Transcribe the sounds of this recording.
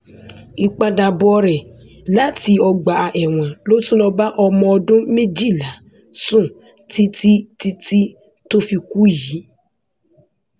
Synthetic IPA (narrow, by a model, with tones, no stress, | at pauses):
i˧k͡pa˧da˨bɔ˧ɾɛ˨ | la˦ti˧ɔ˧ɡ͡ba˨a˧ʔɛ˨w̃ɔ̃˨lo˦tũ˦lɔ̃˧ba˦ʔɔ˧mɔ̃˧ɔ˧dũ˦mẽ˦d͡ʒi˦˨la˨˦ | sũ˦˨ | ti˦ti˦ti˦ti˦ | to˦fi˧ku˦ji˨˦